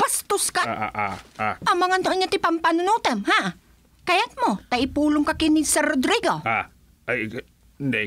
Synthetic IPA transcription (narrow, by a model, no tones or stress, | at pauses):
b̥ast̪ʊskaaʔaaamaŋant̪oʔaɲat̪ɪpampanʊnut̪ɛmha | kajat̪̚mot̪aɪpuːlʊŋkakɪnisɛɾod̪ɾiɡoa | nd̪ɛ